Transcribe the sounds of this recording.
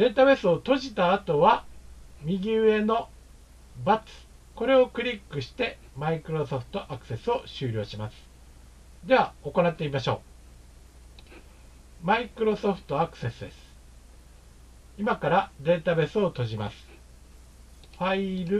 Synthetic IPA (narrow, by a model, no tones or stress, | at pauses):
d̪̥e̞ːt̪abe̞sɨo̞t̪o̞ʑit̪aːt̪o̞βamʲiɡʲɨːe̞no̞ | bat͡sɨ̥ | ko̞ɾe̞o̞kɯ̟ɾʲikːɯ̟ɕi̥t̪e̞maikɯ̟ɾo̞so̞ɸɯ̟̥t̪o̞ʔakɯ̟̥se̞sɨo̞ɕɨːɾʲo̞ːɕimasɨ̥ | d̪e̞β̞ao̞ko̞nat̪ːeimaɕo̞̰ː | maikɯ̟ɾo̞so̞ɸɯ̥t̪o̞akɯ̟̥se̞sɨd̪e̞̰sɨ̥ | imakaɾad̪e̞ːt̪abe̞sɨo̞t̪o̞ʑima̰sɨ̥ | ɸaiɾɯ̟